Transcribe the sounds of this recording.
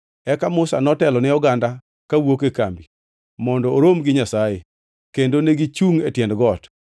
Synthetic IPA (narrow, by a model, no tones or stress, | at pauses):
ɛkamʊsa̰nɔtɛlɔnɪɔɡanda | kawokeka̰mbi | mɔndɔːɾomɡɪɲasaje | kendoneɡɪt͡ʃuŋetjɛndɡɔt